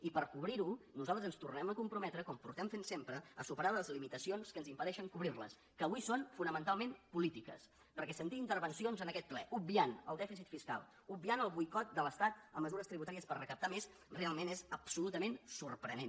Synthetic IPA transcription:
ipəɾkuβɾiɾunuzalˠt̪əzənst̪urnɛməkumpɾumɛt̪ɾəkɔmpṵɾt̪ɛmfensempɾəəsupəɾaəəzlimit̪əsionskənzimpəðɛʃəŋkuβɾirlə̰s | kəːβuisonfunəmənt̪alˠmenpulit̪ikə̰s | pəɾkɛsənt̪iint̪əɾβənsionzənəkɛt̪̚plɛʔub̚bianə̰lˠd̪ɛfisit̪fiska̰lˠ | ub̚bianəlˠβujkɔt̪̚d̪ələst̪at̪əmːəzuɾəst̪ɾiβut̪aɾiəspərrəkəp̚t̪ames | realˠmenɛzəpsulut̪əmensurpɾə̰nen

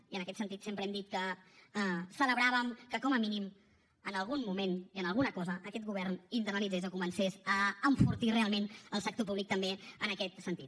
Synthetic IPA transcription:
iənəkɛt̪sənt̪it̪sempɾəɛmd̪it̪̚kə | sələβɾaβəmkəkɔməminim | ənəlˠɣunmumeniənəlˠɣunəkɔzəʔːkɛt̪̚ɣuβɛrnint̪əɾnəlidd͡zezokumənsɛzəːɱfuɾt̪irealˠmenəlˠsək̚t̪opuβlik̚t̪əmbeənəkɛt̪sənt̪it̪

